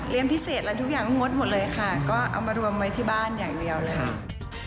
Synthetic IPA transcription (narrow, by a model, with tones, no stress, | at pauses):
li˧ənpʰi˦˥seː˨˩t̪̚lɛ˦˥t̪ʰu˦˥k̚jaː˨˩ŋkɔː˥˩ŋo˦˥t̪̚mo˨˩t̪̚lɤː˧jxʰa˥˩kɔː˥˩ʔa̰˧wmaː˧ɾu˧əmwa˦˥jt̪ʰiː˥˩baː˥˩njaː˨˩ŋdi˧əwlɤː˧